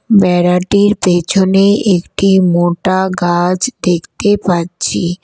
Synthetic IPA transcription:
bɛɾaʈiɾpet͡ɕʰoneʔekʈimoʈaɡad͡ʑd̪ekʰt̪epaɾt͡ɕʰi

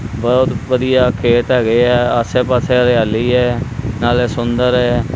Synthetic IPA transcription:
bət̪ʋəd̪ijaːkʰeːʈɦɛːɡəeːɛːəseːpaːseːɾɪjaːliːɦɛːnaːlɛːsʊnd̪əɾɛː

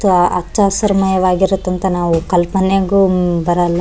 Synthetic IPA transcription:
t̪uʔɐt͡ʃːaːsɐɾɐmɐjɐʋaːɡiɾot̪ːɐnt̪ɐnaːʋukɐlpɐneɡubɐɾɐlː

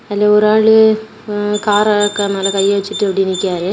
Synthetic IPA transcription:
ɪlːɐɔɾɯaːɭɯ | kaːɾɐkːɐmɐːlɐkɐjːɐʋɛt͡ʃːɯʈːɯɐpɐɽɪnːɪkːaːɾɯ

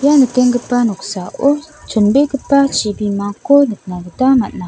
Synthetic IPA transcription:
janəteŋɡəpanuksao | t͡ʃunbekəpat͡ʃibimakonət̚naɡətamaʔna

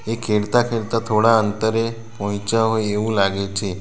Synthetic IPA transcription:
ekʰeɽt̪akʰeɽt̪at̪ʰoɽaənt̪əɾe | pɔ̃ɦt͡ʃaɦojeʋũlaɡet͡ʃʰe

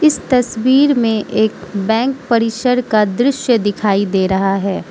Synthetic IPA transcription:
ɪst̪ɐswiːɾmẽʔeːkbɛ̃ːŋk̚pɐɾiːsəɾkad̪ɾɪʃjəd̪ɪkʰaːid̪eːɾɐɦaɦɛː

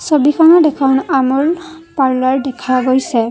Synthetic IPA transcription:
sobikʰɔnɔdɛkʰɔnamɔɹ | paɹlaɹdɛkʰaɡojsɛ

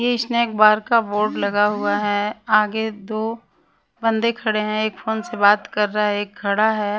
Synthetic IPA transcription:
jeɪsneːk̚baːɾkaboːɾɖlɐɡaɦʊaɦɛaːɡed̪oː | bɐ̃nd̪ekʰɐɽeɦɛ̃eːkfoːnsebaːt̪kɐɾːaɦɛeːkʰːɐɽaɦɛː

